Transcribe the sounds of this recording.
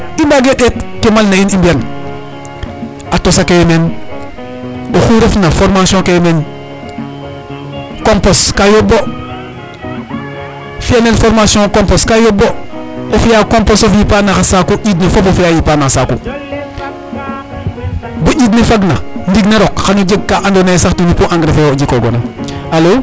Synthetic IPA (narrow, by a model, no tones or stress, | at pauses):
ibaɡeɗetkemalnainimbian | atosakejmen | oxuɾefnafoɾmasiõkejmen | komposkajobːo | fijanelfoɾmasõkomposkajobːoofijaːkomposofjipanaxasakuɟid̬nifofofijajipanasakṵ | buɟid̬nifaɡnandiɡneɾokxanud͡ʒiɡ̚kaʔandonasaktunipuʔãŋɡɾefejod͡ʒikoɡo̰naalo